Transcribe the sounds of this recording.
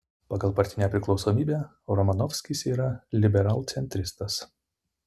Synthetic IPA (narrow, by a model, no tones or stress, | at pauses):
pɑɡɐlˠpɐɾʲt̪ʲɪnʲæːpʲɾʲɪklˠɒʊsoːmʲiːbʲæː | ɾɔmɐnɔfʲsʲkʲisiːɾɐlʲɪbʲɛɾɑːlˠt̪sʲɛnʲt̪ʲɾʲɪst̪ɐs